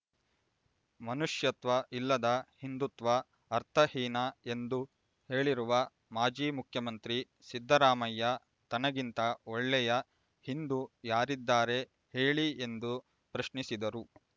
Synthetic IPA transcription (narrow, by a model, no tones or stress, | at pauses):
mɐnuʂjɐt̪ʋɐʔilːɐd̪ɐhind̪ut̪ʋɐː | ɾt̪ʰɐhiːnɐe̞nd̪u | he̞ːɭiɾuʋɐ | maːd͡ʒiːmukʰjɐmɐnt̪ɾi | sid̪ʱːɐɾaːmɐjːɐ | t̪ɐnɐɡint̪ɐɔɭːɛjɐ | hind̪ujaːɾid̪ːaːɾe̞ | heːɭiend̪u | pɾɐʃnisid̪ɐɾu